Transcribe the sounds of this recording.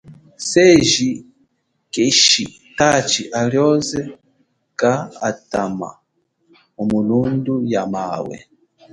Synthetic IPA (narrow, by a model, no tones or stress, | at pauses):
seʒi | keʃi | tat͡ʃiʔaljɔzɛ | kaa̰tama̰ | umulundujamawɛ̰